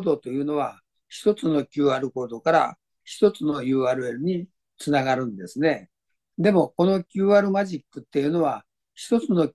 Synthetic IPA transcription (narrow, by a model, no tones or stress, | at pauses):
d̪o̞t̪o̞jɯ̟ːno̞β̞a | çi̥t̪o̞t͡sɨno̞kʲɨːaɾɯ̟ko̞ːd̪o̞kaɾa̰ | çi̥t̪o̞t͡sɨno̞jɯ̟ːaːɾɯ̟e̞ɾɯɲ̟i | t͡sɨnaɡaɾɯ̟̃nd̪e̞sɨne̞ | d̪e̞mo̞ko̞no̞kʲɨːaɾɯ̟maʑikːɯt̪ːe̞jɯ̟no̞β̞a | çi̥t̪o̞t͡sɨno̞